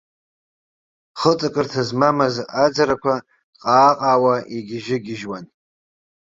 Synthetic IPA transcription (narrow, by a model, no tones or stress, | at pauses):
χət͡sʼɨkʼɨrtʰazmamazad͡zaɾakʷʰa | qʼaːqʼaːwaiɡʲɪʒɪɡʲɪʒwan